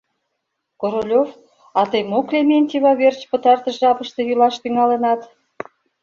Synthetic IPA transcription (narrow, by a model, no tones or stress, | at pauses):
koɾolʲov | ɑt̪ejmoklʲemʲenʲt̪ʲiβɑβert͡ɕpə̆t̪ɑrt̪ə̆ʒeɑpəʃt̪ĕjylɑʃt̪yŋɑlənɑt̪